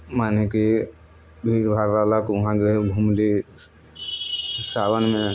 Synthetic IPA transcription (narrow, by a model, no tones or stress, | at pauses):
maːneki | bʱiɾbʱaɾɾalakʊɦãkebʱumli | saːbənmẽ